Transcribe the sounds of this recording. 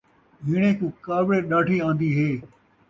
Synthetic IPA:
ɦɪɳ̃ẽːkũːkaːbɭeːɗaːʈiːãːnd̪iːɦeː

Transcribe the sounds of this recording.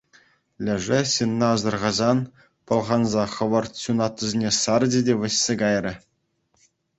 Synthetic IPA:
lʲɘ̆ʐɘ̆ɕɯnːɑːzɤ̆rʁɑzɑn | pɤ̆lˠʁɑnzɑχɤ̆ʋɤ̆rt̪ɕunɑt̪ːɤ̆zʲenʲesɑrdʲedʲeʋʲɘ̆ɕʲːeɡɑjrʲɘ̆

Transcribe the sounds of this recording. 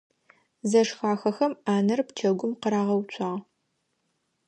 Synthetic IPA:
zɐʂxaːxɐxɐmaːnɐrpt͡ʃʰɐɡʷʊmqəɾaːʁɐwt͡ʃʷʰʼɑːʁ

